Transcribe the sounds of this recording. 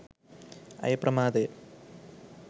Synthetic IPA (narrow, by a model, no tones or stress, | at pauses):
ɐ̰jprʔɐmaːd̪e